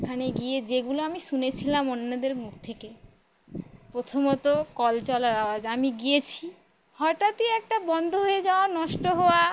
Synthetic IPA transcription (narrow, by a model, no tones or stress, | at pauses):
ekʰaneɡied͡ʑeɡuloamiʃunet͡ɕʰilamonːad̪eɾmukt̪ʰeke | pɾot̪ʰomot̪okɔlt͡ɕɔlaɾawad͡ʑamiɡijet͡ɕʰi | hɔʈat̪iɛk̚ʈabɔnd̪ʱoɦoed͡ʑaoanɔʃʈoɦoa